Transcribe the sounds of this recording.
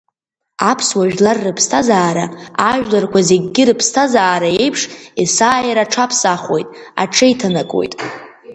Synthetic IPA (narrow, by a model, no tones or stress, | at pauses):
apʰswaʒᶣlarːɨpʰstʰazaːɾaaʒᶣlarkʷʰaze̞ɡʲɡʲɪɾɨpʰstʰazaːɾae̞jpʰʂisaːjaɾaʈ͡ʂʰapʰsaχo̞jtʼ | a̰ʈ͡ʂʰɨjtʰanakʼo̞̰jtʼ